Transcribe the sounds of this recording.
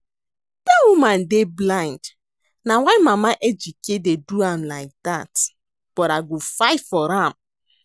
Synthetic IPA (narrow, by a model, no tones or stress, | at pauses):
d̥awumãndeblãɪ̃nd | nawaɪmamaʔɛd͡ʒukededuãmlaɪk̚dat | b̥ɔtaɡofaɪtfɔɾãm